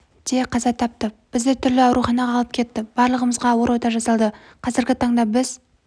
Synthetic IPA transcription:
d̪̥eqʰɑzɑt̪ʰɑp̚t̪əb̥ɪzd̪et̪ʰʏɾlɪɑwɾuχɑnɑʁɑːlˠəp̚kʲʰe̞t̪ːɪb̥ɑɾlˠəʁəməzʁɑwo̞ɾwot̪ɑʒɑsɑlˠd̪ə | qʰɑzɪɾɡʲɪt̪ʰɑɴd̪ɑbɪz̥

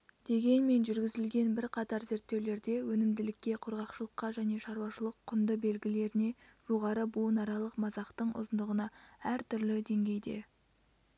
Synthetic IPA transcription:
d̪̥e̞ɡʲe̞nme̞nʒʏɾɡʲɪzɪlɡʲe̞nbɪɾqʰɑt̪ɑɾze̞ɾt̪ːe̞wle̞ɾd̪e̞wɵnɪmd̪ɪlɪkʲːe̞qʰʊɾʁɑqʃəlˠəqːɑʒæne̞ʃɑɾuwɑʃəlˠəqʰːʊnd̪əbe̞lɡʲɪle̞ɾɪne̞ʒ̥o̞ʁɑɾəbunɑɾɑlˠəqmɑzɑqt̪əɴʊ̰zənd̪əʁənɑæɾt̪ʰʏɾlɪd̪e̞ŋɡʲe̞jd̪e̞̰

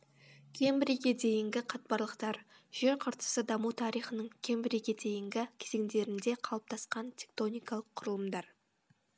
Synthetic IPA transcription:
kʲʰe̞mbɪɾiɡʲe̞d̪e̞jɪŋɡʲɪqʰɑt̪̚bɑɾlˠəqt̪ɑɾ | ʒ̥e̞ɾqʰəɾt̪ə̥səd̪ɑmut̪ʰɑɾijχənəɴkʲʰe̞mbɪɾiɡʲe̞d̪ejɪŋɡʲɪkʲʰeze̞ŋd̪e̞ɾɪnd̪e̞qʰɑlˠəp̚t̪ʰɑsqɑnt̪ʲʰe̞k̚t̪o̞nʲijkɑlˠəqʰːʊɾəlˠəmd̪ɑɾ

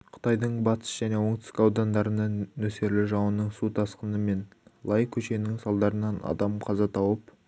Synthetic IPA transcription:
qʰə̥t̪ɑjd̪əɴbɑt̪ʰə̥sʒ̥æne̞wo̞ɴt̪ɪ̥skɑwd̪ɑnd̪ɑɾənɑnɵse̞ɾlɪʒɑwənəɴsut̪ʰɑsqənəme̞nlˠɑjkʲʰɵʃe̞nɪŋsɑlˠd̪ɑɾənɑnɑ̰d̪ɑmqʰɑzɑt̪ʰɑwəp

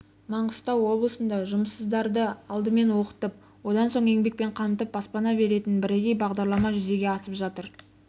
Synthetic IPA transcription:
mɑɴəst̪ɑwːo̞blˠəsənd̪ɑʒʊməsːəzd̪ɑɾd̪əɑlˠd̪əme̞nwo̞qə̥t̪əp̚ | wo̞d̪ɑnso̞ɴe̞ŋbe̞k̚pe̞ɴqʰɑmt̪əp̚bɑspɑnɑbe̞ɾe̞t̪ɪnbɪɾeɡʲejbɑʁd̪ɑɾlˠɑmɑʒʏze̞ɡʲe̞ɑsəpʒɑt̪əɾ

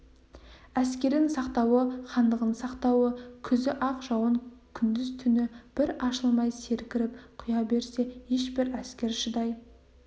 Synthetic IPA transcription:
æskʲe̞ɾɪnsɑqt̪ɑwəχɑnd̪əʁənsɑqt̪ɑwəkʲʰʏzɪʔɑqʒɑwəŋkʲʰʏnd̪ɪzt̪ʰʏnɪb̥ɪɾɑʃəlˠmɑjse̞ɾkʲɪɾɪpqʰʊjɑbe̞ɾse̞he̞ʃbɪɾæskʲe̞ɾʃɪd̪ɑj

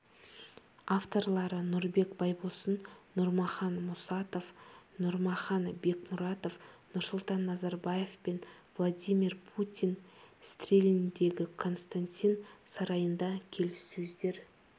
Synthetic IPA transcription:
aft̪o̞rlˠɑɾənʊɾbe̞kbɑjbosənːʊɾmɑχɑnmʊsɑt̪ofnʊɾmɑχɑnbe̞kmʊɾɑt̪o̞fnʊɾsʊlˠt̪ɑnːɑzɑɾbɑje̞fpenvlˠad̪ʲijmirpʰut̪ʲijnst̪rʲelɪnd̪e̞ɡʲɪkʰo̞nst̪anʲt̪ʲinsɑɾɑjənd̪ɑkʲʰe̞lɪsːɵzd̪e̞ɾ

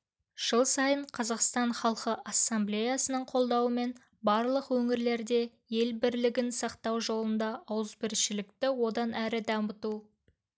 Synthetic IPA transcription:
ʒ̥əlˠsɑjəɴqʰɑzɑqst̪ɑɴχɑlˠqəʔɑsːɑmblʲejɑsənəɴqʰo̞lˠd̪ɑwəme̞n | bɑɾlˠəqwɵŋɪɾle̞ɾd̪e̞ | je̞lbɪɾlɪɡʲɪnsɑqt̪ɑwʒo̞lˠənd̪ɑɑwəzbɪɾʃɪlɪkt̪ɪwo̞d̪ɑnæɾɪd̪ɑmət̪u

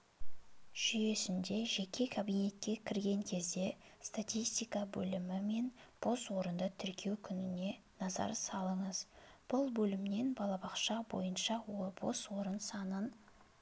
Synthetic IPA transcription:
ʒ̥ʏje̞sɪnd̪e̞ʒe̞kʲʰe̞kʰabijne̞t̪kʲe̞kʲʰɪɾɡʲe̞ŋkʲʰe̞zd̪e̞st̪at̪ʲijst̪ijkɑbɵ̰lɪmɪme̞nb̥o̞swo̞ɾənd̪ət̪ʰʏɾkʲʰe̞wkʲʰʏnɪne̞ | nɑzɑ̰ɾsɑlˠəɴəzb̥ʊlˠbɵlɪmne̞nbɑlˠɑbɑqʃɑbo̞̰jənʃɑwob̥o̞̰swo̞ɾənsɑnən

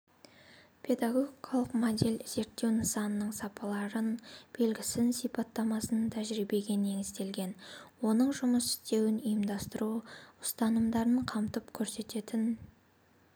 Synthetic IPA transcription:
pʰe̞d̪ɑɡo̞ɡʲikʰalˠəqmod̪e̞lz̥e̞ɾt̪ːe̞wnɪsɑnənəɴsɑpʰɑlˠɑɾənb̥e̞lɡʲɪsɪnsijpɑt̪ːɑmɑsənət̪ʰæʒɾibe̞ɡʲe̞ne̞ŋɪzt̪e̞lɡʲe̞nwo̞nəɴʒʊməsɪ̥st̪e̞wɪnəjəmd̪ɑst̪əɾuʊst̪ɑnəmd̪ɑɾəɴqʰɑmt̪əpkʲʰɵɾse̞t̪e̞t̪ɪn

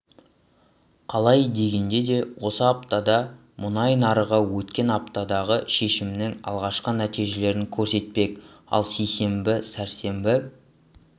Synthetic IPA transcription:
qʰɑlˠɑjd̪e̞ɡʲe̞nd̪e̞d̪e̞wo̞səɑpt̪ɑd̪ɑ | mʊnɑjnɑɾəʁɑwɵt̪kʲe̞nɑp̚t̪ɑd̪ɑʁəʃe̞ʃɪmnɪŋɑ̰lˠʁɑʃqənæt̪ijʒe̞le̞ɾɪŋkʲʰɵɾse̞t̪̚pe̞k | ɑ̰lˠsejse̞mbɪsæɾse̞mbɪ

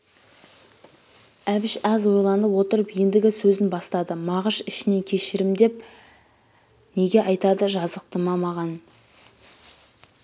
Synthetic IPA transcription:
æbɪʃæzwo̞jlˠɑnd̪əwo̞t̪əɾəpijɪnd̪ɪɡʲɪsɵzɪnbɑst̪ɑd̪əmɑʁəʃɪʃɪne̞ŋkʲʰe̞ʃɪɾɪmd̪e̞p̚ | ne̞ɡʲe̞ʔɑjt̪ɑd̪əʒɑzəq̚t̪əmɑmɑʁɑn

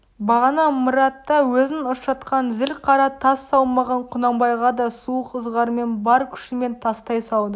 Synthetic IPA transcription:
bɑʁɑnɑməɾɑt̪ːɑwɵzɪnʊʃʃɑt̪qɑnzɪlqʰɑɾɑt̪ʰɑsːɑwmɑʁɑɴqʰʊnɑmbɑjʁɑd̪ɑsuqʰəzʁɑɾme̞nbɑɾkʲʰʏ̥ʃɪme̞nt̪ʰɑst̪ɑjsɑwˠd̪ə

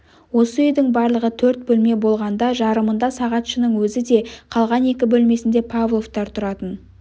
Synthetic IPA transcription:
wo̞səʏjd̪ɪŋbɑɾlˠəʁət̪ʰɵɾt̪̚bɵlme̞bo̞lˠʁɑnd̪ɑʒɑɾəmənd̪ɑsɑʁɑt̪ʃənəɴwɵzɪd̪e̞qʰɑlˠʁɑne̞kʲɪbɵlme̞sɪnd̪e̞pʰɑvlˠo̞ft̪ɑɾt̪ʰʊɾɑt̪ən

